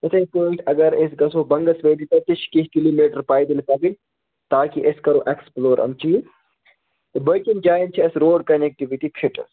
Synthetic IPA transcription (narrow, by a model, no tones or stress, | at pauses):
ɐsʰɐipoːiʈʰɐɡɐɾesɡɐsʰoːbɐŋɡɐsʋeːd̪it̪ɐt̪it͡ʃkiɦkiloːmeːʈəɾpaːjd̪ilpɐɡinʲ | t̪aːkiʔeskɐɾoːʔeksploːɾʔɐ̰mt͡ʃiː | t̪bəkind͡ʒaːjənt̪t͡ʃʰiɐsɾoːɖkɐnek̚ʈiʋiʈipʰiʈɐ̰s